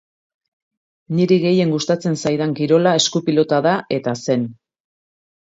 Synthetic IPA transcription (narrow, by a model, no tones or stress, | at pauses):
niɾiɣe̞je̞ŋɡust̪at͡se̞nsajðaŋkiɾo̞lae̞skupilo̞t̪aðaʔe̞t̪ase̞n